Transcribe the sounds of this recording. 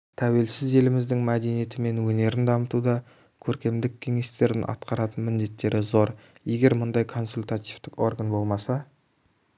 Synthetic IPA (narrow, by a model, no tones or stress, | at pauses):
t̪ʰæwe̞lsɪze̞lɪmɪzd̪ɪŋmæd̪e̞nije̞t̪ɪme̞nwɵne̞ɾɪnd̪ɑmət̪ud̪ɑ | kʲʰɵɾkʲe̞md̪ɪkʲʰːe̞ŋe̞st̪e̞ɾɪnʔɑ̰t̪̚qɑɾɑt̪ənmɪnd̪e̞t̪ːe̞ɾɪzo̞ɾje̞ɡʲe̞ɾmʊnd̪ɑjkʰo̞nsulʲt̪at̪ivt̪ɪko̞rɡanbo̞lˠmɑsɑ